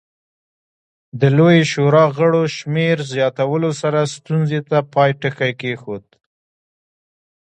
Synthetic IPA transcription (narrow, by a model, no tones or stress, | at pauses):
d̪əlojeʃoɾɑɣəɽoʃmeɾzjɑt̪awəlosaɾast̪unzet̪apɑjʈəxajkexod̪